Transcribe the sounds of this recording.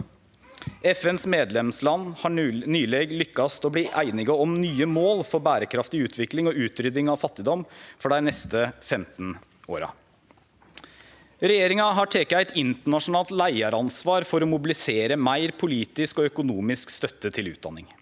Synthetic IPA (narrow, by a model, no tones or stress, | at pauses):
ɛfɛnsmeːd̪lɛmslɑnːhɑnyːleːɡlʏkːɑst̪ɔbliːʔæɪnɪɡəɔmnyːəmoːlfɔɾbæːɾəkʰɾɑft̪ɪʉːt̪ʰʋɪklɪŋɔʉːt̪ɾʏd̪ɪŋɑʋfɑt̪ːɪd̪ɔmfɔɖæɪnɛst̪əfɛmt̪n̩ | o̰ːɾɑ̰ | ɾɛjeːɾɪŋɑɦɑʈʰeːkəæɪt̪ɪnt̪əɳɑʂʊnɑːlt̪læɪɑɾɑnsʋɑːɾfɔɾɔmʊbɪlɪseːɾəmæɪɾpʰʊliːt̪ɪskɔœkʊnuːmɪskst̪œt̪ːət̪ʰɪlʉ̰ːd̪ɑ̰nːɪŋ